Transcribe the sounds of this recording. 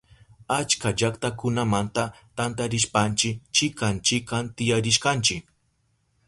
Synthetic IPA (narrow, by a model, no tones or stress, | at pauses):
at͡ʃkaʒakt̪akʊnamant̪a | t̪ant̪aɾɪʃpant͡ʃɪkt͡ʃɪkant͡ʃɪkant̪ɪjaɾɪʃkant͡ʃɪk